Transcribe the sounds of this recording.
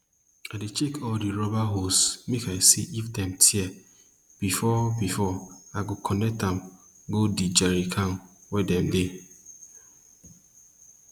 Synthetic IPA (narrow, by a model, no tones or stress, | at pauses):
adet͡ʃekʰɔldiɹɔbaɦosmekajsḭʔifdɛ̃mtʰiɛ | b̥ifɔbifɔaɡokʰɔnɛk̚tãm | ɡodid͡ʒaɾikʰãnwɛdɛ̃mde